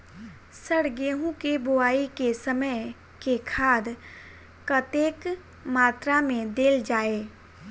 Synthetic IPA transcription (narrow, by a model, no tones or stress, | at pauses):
səɽɡeːɦũkebʊaːikesəməj | kekʰaːd̪ | kɐt̪eːk | maːt̪ɾamẽd̪eːld͡ʒaːeː